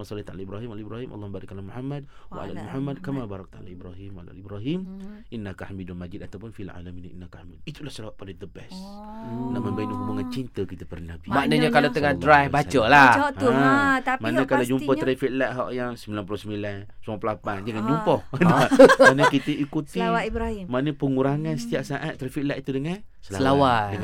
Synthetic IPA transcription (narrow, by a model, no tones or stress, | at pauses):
masɑliht̪a̰laibɾaɦimalaibɾaɦimʔɑ̰lːɔbaɾɪkalamuħamːad̚wa̰ʔa̰lamuħamːad̚kamabaɾɑk̚t̪a̰la̰ibɾaɦima̰la̰libɾaɦimʔinːakaħamidulmad͡ʒid̪at̪awpʊnfialʕa̰laminḭnːakaħamid̚it̪ulahsəlawaʔ̚padəd̪əbɛs | naməmbaiʔnuɦubaŋant͡ʃint̪əkit̪əpərnabimanəɲəkalat̪əŋadɾajfbat͡ʃəla | t̪amanəkalad͡ʒumpət̪ɾafiʔ̚laʔɦaʔjaŋsəmbilanpulosəmilansuŋɔpəlapand͡ʒaŋand͡ʒumpəhdanəkit̪əikut̪iwaibɾahimaʔnəpəŋuɾaŋansə̥t̪iaʔsaʔat̪ːɾafiʔ̚laʔit̪udəŋansəlalawadəŋ